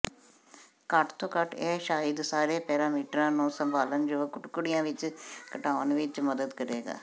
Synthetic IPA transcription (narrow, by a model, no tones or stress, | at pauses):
kəʈʰt̪õːkəʈɛːʃaːɪd̪saːɾeːpɛːɾaːmiːʈɾãːnũːsəmbʱaːlənd͡ʒoːkʊʈkʊɽɪjãːʋɪt͡ʃkəʈaːənʋɪt͡ʃməd̪əd̪kəɾeːɡa̰ː